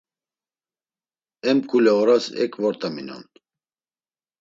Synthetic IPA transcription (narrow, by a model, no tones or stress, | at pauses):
ɛmkʰulɛɔɾasɛ̰kʰvɔɾt̪ʼaminɔ̰n